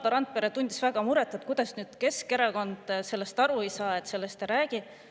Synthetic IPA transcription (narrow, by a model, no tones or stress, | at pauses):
d̪̥ɑɾɑnt̪̚peɾet̪unʲd̪̥isvæɡ̥ɑmuɾet̪ːˑet̪̚kujd̪̥ɑsnyːd̪̥ke̞ske̞ɾɑko̞nd̪̥se̞lːe̞st̪ɑɾuejsɑːet̪se̞lːe̞st̪eɾæːɡ̥i